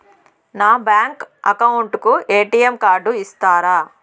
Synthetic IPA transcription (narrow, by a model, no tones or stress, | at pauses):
naːbjaːŋkɐkɐwuɳʈukueːʈijemkaːɾɖuist̪aːɾaː